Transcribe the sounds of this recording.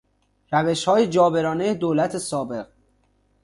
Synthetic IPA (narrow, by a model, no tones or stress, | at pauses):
ɾæve̞ʃhɒːjed͡ʒɒːbeɾɒːnejed̪oːlæt̪ʰesɒːbe̞ɣ